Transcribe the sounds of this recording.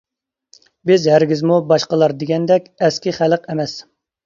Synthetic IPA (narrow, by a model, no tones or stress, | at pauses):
bɪzhæɾɡʲizmubɑʃqəlˠɑɾd̪ɪɡʲɛnd̪ɛkʲɛskʲiχæləqɛmɛs